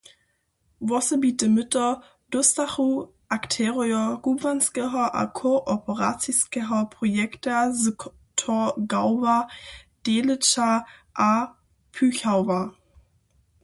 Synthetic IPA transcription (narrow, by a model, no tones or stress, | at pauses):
vɔsəbiːtəmɪtɐ | d̥ʊstaχu | ʔaktʰɛːʁiɔɡ̥uːvanskɛʁɐʔa̰kʰoʔɔpʰəʁa̰t͡siskɛʁɐpʁ̥ojɛktaz | tʰoɡaʊvad̥eːlɪt͡ʃaʔa | pʰyːçaʊva